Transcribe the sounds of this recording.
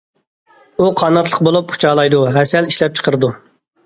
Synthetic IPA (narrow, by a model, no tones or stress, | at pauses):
uqʰɑnɑt̪lˠə̥q̚bolˠup̚qʰu̥t͡ʃʰɑːlˠɑjd̪uɦɛsɛliʃlɛp̚t͡ʃʰə̥qʰəɾɨd̪u